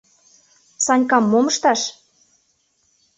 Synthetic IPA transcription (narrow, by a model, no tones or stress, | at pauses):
sɑnʲkɑmːomə̆ʃt̪ɑʃ